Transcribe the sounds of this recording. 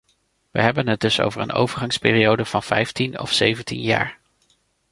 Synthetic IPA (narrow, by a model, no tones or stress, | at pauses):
ʋə̰ɦɛbənɦəd̚dɵso̰wvəɹə̰no̰wvəɹχɑŋspɪːriowdəv̥ɑnv̥ɛjftinɔ̰fsejvəntinja̰ːɹ